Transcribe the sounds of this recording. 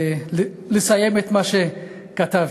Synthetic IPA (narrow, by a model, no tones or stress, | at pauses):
lesajemet̪maʃe | kat̪av